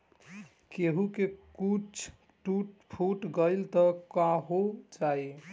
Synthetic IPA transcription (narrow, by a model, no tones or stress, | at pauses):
keɦukekut͡ʃʰ | ʈuʈpʰuʈɡəɪlt̪əkaɦod͡ʒai